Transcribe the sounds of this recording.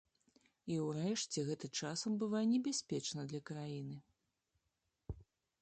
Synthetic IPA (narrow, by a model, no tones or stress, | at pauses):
iwrɛʂt͡sʲɛɣɛt̪ɐt͡ʂasɐmbɨvajɛnʲɛbʲasʲpʲɛt͡ʂnɐd̪lʲɐkɾajinɨ